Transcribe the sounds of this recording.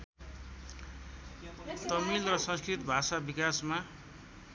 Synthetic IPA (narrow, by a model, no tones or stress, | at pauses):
t̪ʌmilrʌsʌ̃nskrit̪bʱasabikasma